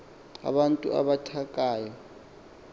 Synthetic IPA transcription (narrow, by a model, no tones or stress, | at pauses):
a̰ɓantʼṵa̰ɓatʰakʼaːjɔ